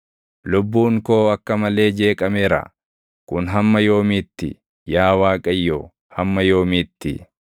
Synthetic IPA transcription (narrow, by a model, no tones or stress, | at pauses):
lʊbːuːŋko̞ːɐkːɐmɐle̞ːd͡ʒe̞ːkʼɐmɛɾɐ̰ | kʊnɦɐmːɐjo̞ːmɪt̪ːɪ̰ | jaːwaːkʼɐjːoː | hɐmːɐjo̞ːmɪt̪ːɪ̰